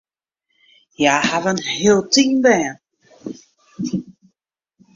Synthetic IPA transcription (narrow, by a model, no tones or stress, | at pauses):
jahavənheəlˠtiːnbɛːən